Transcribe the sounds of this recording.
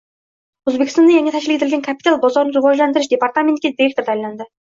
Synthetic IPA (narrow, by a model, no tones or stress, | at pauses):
ɵzbekʲɪst̪ɑnɑjæŋet̪ʰæʃɪlɪkʰʲet̪ɪlʲɡʲenkʰapi̥t̪alˠbɒzɑɾnɾʊʁɑʒlænd̪ɪɾɪʃd̪epaɾt̪ament̪̚kʲed̪iɾekt̪oɾd̪ælænd̪ɪ